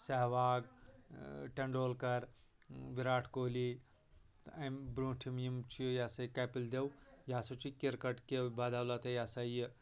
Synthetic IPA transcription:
sɐɦʋaːɡ | ʈɐɳɖoːlkɐɾ | ʋiɾaːʈʰkoːli | ɐmbɾũːʈʰimjimt͡ʃʰijaːsɐjkɐpild̪ewjaːsot͡ʃʰikiɾkɐʈkebaːd̪aːwlat̪ejaːsajə

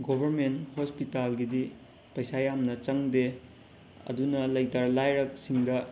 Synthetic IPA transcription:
ɡobʱɐɾmenthospitalɡidi | pɐjsajamnɐt͡ʃɐŋde | ɐ̰dunɐlɐjtaɾlajɾɐk̚siŋdɐ

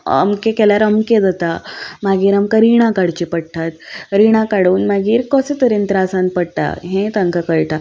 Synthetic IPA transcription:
ə̰mkekɛljaɾəmked͡zat̪amaɡiːɾamkaɾiɽ̃akaɽt͡ɕipəɽʈʰat̪ɾiɽ̃akaɽuːnmaɡiːɾkɔset̪əɾẽnt̪ɾasãn̚pəɽʈ̪a̰ɦẽt̪ãŋkakəɭʈʰa

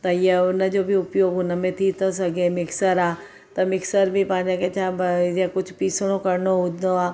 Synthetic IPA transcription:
t̪ɐɪjəʊnəd͡ʒoːbʱiʊpjoːɡʊnəmẽt̪ʰiːt̪əs̬ɐɡẽmɪksəɾaː | t̪ɐmɪksəɾbʱipãːɲãket͡ʃʰãːbjekʊt͡ʃʰpiːsɽ̃õkɐɾnoɦʊd̪oaː

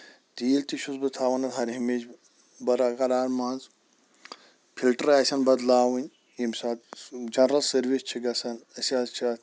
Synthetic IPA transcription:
t̪iːlt̪iʃusbɨt̪ʰaːʋɐnɐt̪ɦɐɾʲɦimet͡ʃ | bɐɾakɐɾaːɾmaːnz | pʰilʈəɾaːsʲɐnbɐd̪laːwɨnʲ | imsaːt̪d͡ʒɐnɾɐlsɐɾʋist͡ʃʰiɡɐsɐnɐsʲaːzt͡ʃʰaːt̪

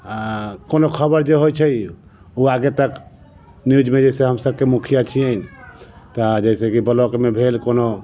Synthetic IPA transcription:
ãkonokʰəbəɾd͡ʒeɦojt͡ʃʰəj | uaɡet̪ək | nijud͡ʒmed͡ʒəjseɦəmsəb̚kemukʰijat͡ʃʰijejnt̪ɔd͡ʒəɪsekibəlokmebʱelkono

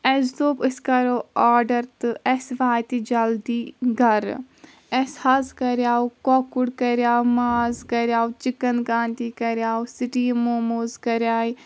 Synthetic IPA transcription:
ɛsd̪oːpɨskɐɾoːaːɾɖɐɾt̪ɨɛsʋaːjt̪id͡ʒɐld̪iːɡɐɾ | ɛshɐzkɐɾjaːukokuɽkɐɾjaːumaːzkɐɾʲjaːut͡ʃikɐnkaːnt̪iːkɐɾjaːusiʈiːmoːmozkɐɾjaːi

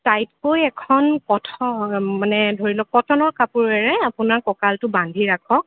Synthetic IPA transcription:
tajtkojɛkʰɔnpɔtʰɔmanɛdʱoɹilɔpɔtʰɔnɔɹkapuɹɛɹɛapʊnaɹkɔkaltʊbandʱiɹakʰɔk̚

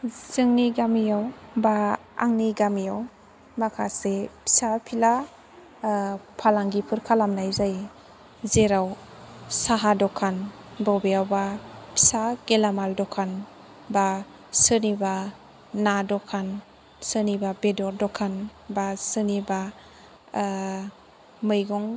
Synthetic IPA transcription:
z̥ɯŋniɡamijawbaa̰ŋniɡamijaw | makʰasepʰi̥sapʰila | pʰalaŋɡipʰɯɾkʰalamnajzaj | zeɾaw | saɦadɔkʰan | bawbejawbapʰi̥saɡ̥elamaldɔkʰan | ba | sɯniba | nadɔkʰan | sɯnibabedɔɾdɔkʰanbasɯniba | mɯjɡɔŋ

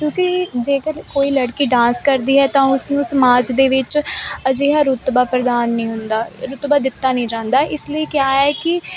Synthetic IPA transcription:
kjõːkid͡ʒeːkəɾkoːiːləɽkiːɖãːskəɾd̪iːɦɛːt̪ãːʊsnũːsəmaːd͡ʒd̪eːʋɪt͡ʃəd͡ʒeːɦaːɾʊt̪baːpɾəd̪aːnːəĩːɦʊnd̪aːɾʊt̪baːd̪ɪt̪ːaːnəĩːd͡ʒãːnd̪aːʔɪsləiːkɪjaːɦɛːkɪ

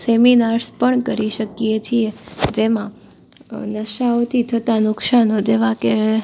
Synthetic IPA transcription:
seminaɾspəɳkəɾiʃəkiet͡ʃʰied͡ʒemã | nəʃaot̪ʰit̪ʰət̪anʊkʃanod͡ʒeʋãke

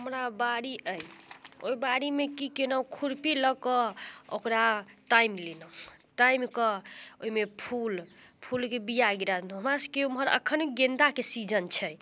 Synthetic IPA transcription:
ɦɦəmɾabaɽiʔəjo̰ibaɽimekikenəwkʰuɾpiləkɔo̰kɾaʈaimlenəwʈaimkɔoimepʰulpʰulkebijaɡiɾad̪nuɦəmɾaskeumɦəɾə̰kʰːənɡend̪akesid͡ʒənt͡ʃʰɛ

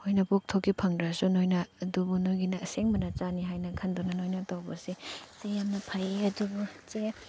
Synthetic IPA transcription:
hojnɐpuk̚tʰokːipʰɐŋdɾasunojnɐːdubunojɡinɐseŋmɐnɐt͡ʃaniɦajnɐkʰɐndɔnɐnojnɐtawbɐsisejamnɐpʰajeɐdubut͡ʃe

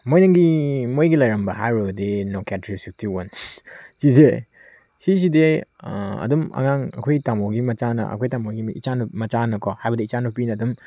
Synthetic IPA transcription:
mojnɐŋɡimojɡilɐjɾɐmbɐɦajɾɐbɐdenokatɾisuk̚tʰiwɐnsize | sis̬ide | ɐ̰dumɐ̰ŋaŋɐ̰kʰojtamoɡimɐt͡ʃanɐ̰ʔɐ̰kʰojtamoɡiit͡ʃanumɐt͡ʃanɐkʰɔhajbɐdiit͡ʃanupinɐːdum

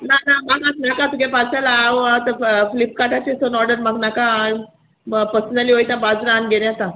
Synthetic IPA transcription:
nanamakatnakãt̪ukepalsalaːwat̪əflip̚kaʈat͡ɕesonɔɾɖəɾmaknakã | pəsənaliɦojt̪ãbad͡zɾanɡelãt̪ã

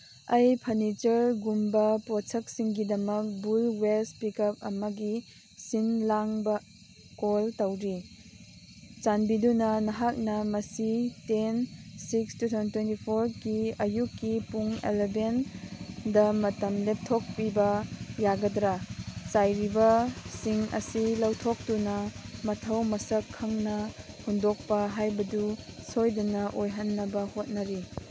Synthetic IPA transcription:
ɐjpʰɐnit͡ʃɐɾɡumbɐpot͡ʃʰɐk̚siŋɡidɐmɐk̚bulwespikɐp̚ɐmɐɡi | sinlaŋbɐ | koltɐwɾi | t͡ʃanbidunɐnɐɦak̚nɐmɐsitensikstutʰantwentipʰoɾkiɐjukːipuŋḛleben | dɐmɐtɐmlep̚tʰok̚pibɐjaɡɐdɾat͡ʃajɾibɐsiŋɐ̰silɐwtʰok̚tunɐmɐtʰɐwmɐsɐkʰːɐŋnɐ | hundok̚pɐɦajbɐdusojdunɐʔojɦɐnːɐbɐhot̚nɐɾi

